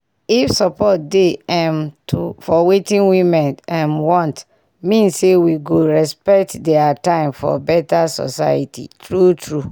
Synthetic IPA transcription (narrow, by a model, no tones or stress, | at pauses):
ifsɔpɔt̚deɛ̃mtʰufɔwetĩnwimɛ̃nãnwɔ̃nt | mĩnssewiɡoɹɛspɛk̚tdɛatãɪ̃mfɔ̰bɛtasɔ̰sa̰jitʰḭtɹutʰɹu